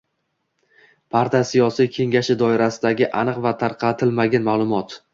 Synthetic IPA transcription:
pʰaɾt̪asijɒsijkʲʰe̞ŋɡʲaʃɪd̪ɒɪɾasɪd̪aɡʲɪʔanɨqvat̪ʰaɾqʰɑt̪ʰɪlmaɡʲanmalˠʊmɒt̪

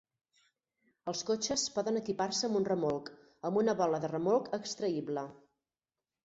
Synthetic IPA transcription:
əlˠskot͡ʃəspɔðənəkiparsəːmbunrəmolˠk | əmbunəβɔləðərəmolˠkəkst̪ɾəiβlə

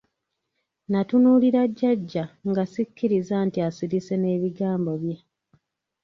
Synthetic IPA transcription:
natunuːliɾaɟːaɟːaŋɡasikːiɾizantiasiɾise̞ne̞ːβiɡaːmbo̞βje

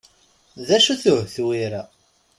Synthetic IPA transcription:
ðæʃuθʊhθwiɾæ

